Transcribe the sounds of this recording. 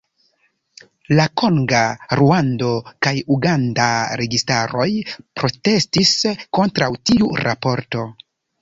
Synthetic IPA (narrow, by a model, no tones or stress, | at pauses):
lako̞ŋɡaɾuando̞kajuɡandaɾe̞ɡistaɾo̞jpɾo̞te̞stisko̞ntɾawtiuɾʔapo̞ɾto̞